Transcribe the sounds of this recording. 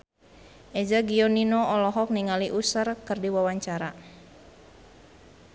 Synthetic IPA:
ʔɛd͡ʒaɡiɔninɔɔlɔɦɔk̚niŋaliʔusərkɨrdiwawaɲt͡ʃaɾa

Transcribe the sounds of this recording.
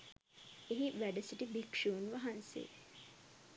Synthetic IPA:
eɦiʋæɖəsiʈibikʂuːnʋaɦansḛ

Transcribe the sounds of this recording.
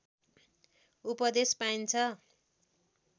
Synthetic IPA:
upʌd̪espaint͡sʰʌ

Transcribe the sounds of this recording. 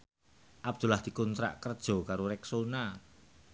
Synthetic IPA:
ʔab̚d̪̥ṳlahd̪̥i̤kɔnt̪ɾa̰ʔkərd̥ʒ̥ɔ̤kaɾoɾɛksona

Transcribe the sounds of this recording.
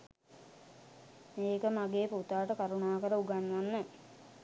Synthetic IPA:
meːkəmaɡeːput̪aːʈəkaɾunaːkəɾəuɡanːʋanːə

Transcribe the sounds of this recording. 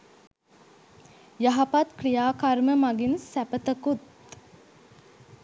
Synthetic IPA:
jaɦapat̪krijaːkarməmaɡinsæpət̪əkut̪

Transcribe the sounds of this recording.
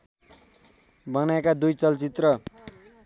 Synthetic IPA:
bʌnaekad̪ujt͡sʌlt͡sit̪rʌ

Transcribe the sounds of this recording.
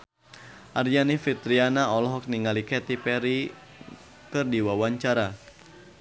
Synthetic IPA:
ʔaɾjanifit̪ɾianaɔlɔɦɔk̚niŋalikɛt̪ipɛɾi | kɨrdiwawaɲt͡ʃaɾa

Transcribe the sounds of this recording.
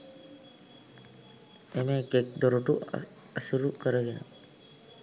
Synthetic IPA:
emeɡek̚d̪oɾuʈu | əsuɾukəɾəɡenə̰

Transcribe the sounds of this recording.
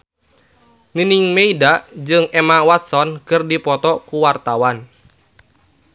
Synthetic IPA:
niniŋmeidad͡ʒɨŋemawat̪̚sɔnkɨrdipɔt̪ɔkuwart̪awan

